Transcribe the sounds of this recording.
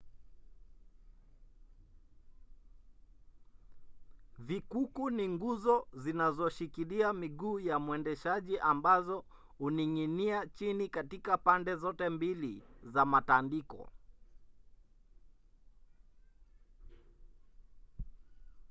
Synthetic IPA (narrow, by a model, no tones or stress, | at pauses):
vikukuniŋɡuzɔzinazɔʃikiliamiɠuːjamuwɛndɛʃaʄiʔambazɔ | huniŋiniat͡ʃinikatikapandɛzɔtɛmbilizamatandikɔ̰